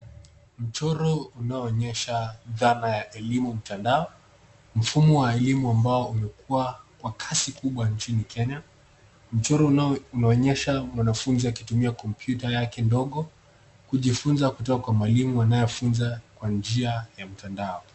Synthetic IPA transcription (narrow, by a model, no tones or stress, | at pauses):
m̩t͡ʃɔɾɔunaɔːɲɛʃaðanajaʔɛlimum̩tandaɔ | m̩fumɔwaɛlimuambaɔumɛkuakwakʰasikuɓwant͡ʃinikʰɛɲa | m̩t͡ʃɔɾɔunaɔɲɛʃamwanafunziwakitumiakɔmpʰjutajakɛndɔɠɔ | kuʄifunzakutɔkakwamaɛlimuanajɔfunzakwand͡ʒiajam̩tandaɔ